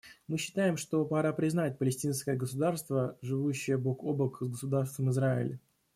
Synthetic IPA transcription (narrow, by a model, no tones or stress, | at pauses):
mɨɕːɪ̥t̪ajɪmʂt̪o̞pɐɾapɾʲɪznat̚ʲpəlʲɪsʲtʲinskəjəɡəsʊd̪arst̪vəʐɨvuɕːɪjəbokobəkzɡəsʊd̪arst̪vəmɨzɾaɪ̰lʲɪ